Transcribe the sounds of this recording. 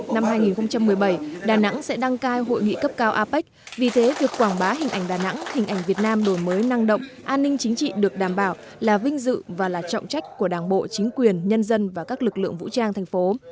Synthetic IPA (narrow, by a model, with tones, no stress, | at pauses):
na˧mhɦaː˧jŋi˨˩nxə˧ŋ͡mt͡ɕa˧mːɨ˨˩əjɓə˧˩jɗaː˨˩na̰˧˥ŋsɛ̰˧˥ɗa˧ŋkaː˧jɦo̰˧˨jŋḭ˧˨kə˦˥p̚kaː˧wʔaː˧pa˦˥k̟̚ | vi˨˩t̪ʰe˨˦vi˨˩əkkwaː˧˩ŋɓaː˨˦ɦï˨˩ŋ̟ʔa˧˩jŋ̟ɗaː˨˩na̰˧˥ŋhi˨˩ŋ̟ʔa˧˩jŋ̟vət̚naː˧mɗo˧˩jməː˨˦jna˧ŋɗə̰˧˨wŋ͡mʔaː˧nːï˧ŋ̟t͡ɕï˨˦ŋ̟t͡ɕḭ˧˨ɗɨ˨˩ək̚ɗaː˧˩mɓaː˧˩w | laː˨˩vï˧ŋ̟zɨ̰˧˨vaː˨˩laː˨˩t͡ɕɔ̰˧˨wŋ͡mt͡ɕa˦˥jk̟̚ku˧˩əɗaː˧˩ŋɓo̰˧˨t͡ɕi˨˦ŋ̟kwi˨˩ənɲə˧nzə˧nvaː˨˩kaː˦˥k̚lɨ˨˩k̚lɨ̰˧˨əŋvṵ˧˥t͡ɕaː˧ŋt̪ʰɛ˨˩ŋ̟fo˨˦